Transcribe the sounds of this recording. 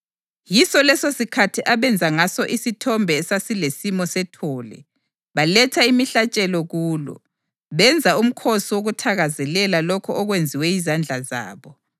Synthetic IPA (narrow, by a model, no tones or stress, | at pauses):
jisɔlɛsosikʰatʰiʔaβɛnd͡zʱaŋasɔʔisitʰɔmbʱɛːsasilesimɔsɛtʰɔːlɛ̰ | βalɛtʰaimiɬat͡ʃʼɛlɔɣuːlɔ̰ | βɛnd͡zʱaum̩kʰosiwoɣutʰaɣazɛlɛlalɔkʰɔɔɣwend͡zʱiwɛizand͡ɮʱaza̰ːβɔ